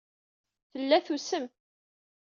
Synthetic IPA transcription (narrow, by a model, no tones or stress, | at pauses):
θəlːæθusəm